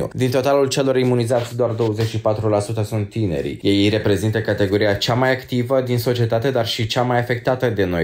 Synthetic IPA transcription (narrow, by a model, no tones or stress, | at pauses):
ṵd̪int̪o̞t̪alult͡ʃe̞lo̞ɾimunizat̪sʲd̪oard̪o̞wəze̞t͡ʃʲʃipat̪ɾulasut̪əsunt̪ːine̞̰ɾḭje̞jre̞pɾe̞zint̪əkat̪e̞ɡo̞ɾijat͡ʃamajakt̪ivəd̪inso̞t͡ʃie̞t̪at̪e̞d̪arʃit͡ʃamajafe̞k̚t̪at̪əd̪eno̞̰j